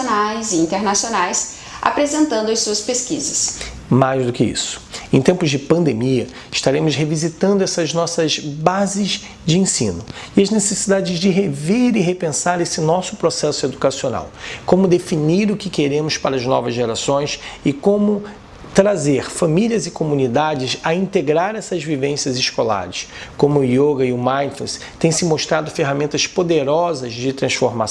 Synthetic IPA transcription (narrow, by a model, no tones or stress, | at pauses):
najzĩnt̪eɾnasionajs | a̰pɾezẽnt̪ɐ̃nd̪ʊɐjsuɐspeskḭzɐs | majzd̪ʊkɪḭsʊ̥ẽt̪ẽmpʊzd͡ʒɪpɐ̃nd̪emiɐ | ɪʃt̪aɾẽmʊzɦevizit̪ɐ̃nd̪ʊɛsɐznɔsɐzbazɪz | d͡ʒɪẽsḭ̃nʊ | iɐznesesid̪ad͡ʒɪzd͡ʒɪɦeveɾɪɦepẽsaɾesɪnɔsʊpɾosɛsʊed̪ukasiona̰wkõmʊd̪efiniɾʊkɪkeɾẽmʊspaɾɐznɔ̰vɐzʒeɾasõj̃sɪkõmʊ | t̪ɾazeɾfamiliɐzɪkomũnid̪ad͡ʒɪsɐĩnt̪eɡɾaɾɛsɐzvivẽsjɐzɪʃkola̰ɾɪskõmʊːjoɡɐiʊmãj̃nflɛ̰s | t̪ẽj̃sɪmoʃt̪ɾad̪ʊfeɦamẽnt̪ɐspod̪eɾɔzɐzd͡ʒɪt̪ɾɐ̃sfoɾma